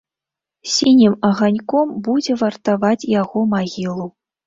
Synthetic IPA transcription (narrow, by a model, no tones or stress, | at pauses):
sʲinʲimɐɣanʲkɔmbud͡zʲɛvɐrt̪avat͡sʲjaɣɔmaɣʲilˠu